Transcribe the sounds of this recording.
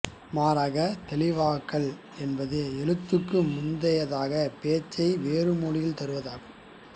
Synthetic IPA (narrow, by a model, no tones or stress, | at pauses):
maːɾaːɣɐt̪ɛlɪʋaːkːɐɭ | ɛnbɐðɯɛɻɯt̪ːɯkːɯmʊnd̪ɐjɐðaːɣɐpeːt͡ʃːɐɪʋeːɾɯmuːlɪjɪlt̪ɐɾɯʋɐðaːɣɯ